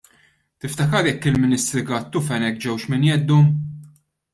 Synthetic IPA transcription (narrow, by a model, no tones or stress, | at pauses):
t̪ɪft̪ɐkɐɾjɛkːɪlmɪnɪst̪ɾɪɡɐt̪ːʊfɛnɛk̚ːd͡ʒɛwʃmɪnjɛd̪ːu